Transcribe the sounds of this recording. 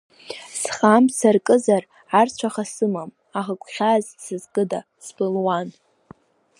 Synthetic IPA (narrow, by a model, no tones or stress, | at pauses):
sχamsarkʼɨzar | art͡ʃʷʰaχasɨmam | aʁakʷʼχʲazsɨzkʼɨda | sbɨlwan